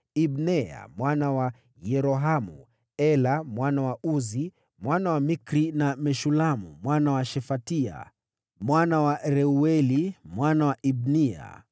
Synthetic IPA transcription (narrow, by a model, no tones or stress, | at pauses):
ibnɛa̰mwanawa | jɛɾɔɦamṵ | ɛlamwanawaʔuzi | mwanawamikɾinamɛʃulamṵmwanawaʃɛfatia̰ | mwanawaɾɛuɛlimwanawaʔibnia̰